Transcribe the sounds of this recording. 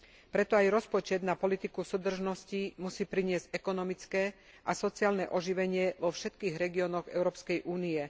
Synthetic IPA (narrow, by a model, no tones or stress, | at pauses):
pɾɛt̪ɔajɾɔspɔt͡ʃɛd̪napɔlit̪ikusuːd̪r̩ʒnɔscimusiːpɾiɲɪɛzɟɛkɔnɔmit͡skɛː | ʔasɔt͡siaːlnɛʔɔʒiʋɛɲɪɛʋɔfʃɛt̪kiːɣɾɛɡiɔːnɔɣɛ̰ʊɾɔːpskɛjʔuːniɛ